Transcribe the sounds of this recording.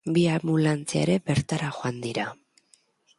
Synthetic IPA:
biamulant͡sea̰eɾe̞be̞ɾt̪aɾaxoand̪iɾa

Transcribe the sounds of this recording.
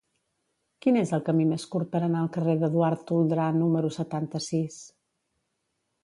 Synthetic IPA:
kinezəlˠkəmimeskuɾt̪̚pəɾənaəlˠkəreðəðuaɾt̪ːulˠd̪ɾanuməɾusət̪ant̪əsis

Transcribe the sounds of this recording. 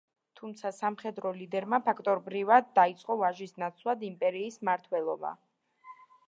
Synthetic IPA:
t̪ʰumt̪sʰasamχɛd̪ɾɔlid̪ɛɾmapʰakʰt̪ʼɔɾbɾivad̪ːait̪sʼqʼɔvaʒisnat̪sʰlˠad̪impʼɛɾiːsmaɾt̪ʰwɛlˠɔba̰

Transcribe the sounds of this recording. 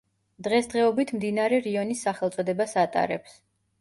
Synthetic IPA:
d̪̥ʁɛsd̪ʁɛɔbit̪ʰmd̪inaɾɛɾiɔnisːaχɛlˠt̪sʼɔd̪ɛbasat̪ʼa̰ɾɛps

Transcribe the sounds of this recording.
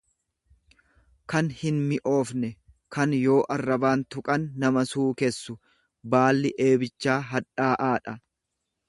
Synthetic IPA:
kɐnhɪnmɪʔo̞ːfnɛ | kɐnjo̞ːʔɐrːɐbaːnt̪ʊkʼɐnːɐmɐsuːkɛsːʊ | baːlːɪʔe̞ːbɪt͡ʃːaːɦɐᶑaːʔaːᶑɐ

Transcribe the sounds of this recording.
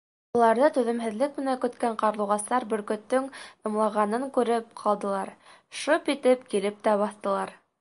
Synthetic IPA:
ŏlˠɑɾðɤt̪ʉðɘ̆mɦɘ̆ðlɘk̚mɘ̆nækɵ̆t̪kæɴqɑɾlˠuʁɑst̪ɑɾbɵ̆ɾkɵ̆t̪ːɵŋɤ̆mlˠɑʁɑnɤŋkʉɾɘp̚qʰɑlˠd̪ɤ̆lˠɑɾ | ʃopit̪ɘpkilɘp̚t̪æβɑθt̪ɤ̆lˠɑɾ

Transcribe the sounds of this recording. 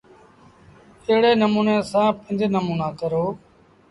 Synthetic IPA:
eɦɽeːnəmuːnẽːsãːpɪ̃nd̪eːnəmuːnãːkəɾoː

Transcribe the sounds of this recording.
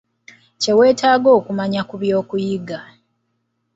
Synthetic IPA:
ce̞we̞ːtaːɡo̞ːkumaɲakuβjo̞ːkujiɡa

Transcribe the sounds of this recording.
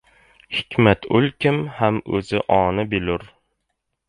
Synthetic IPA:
hɪ̥kʲmat̪ʰʊlkʲɪmhamɵzɪʔɒːnɪbɪlʊɾ

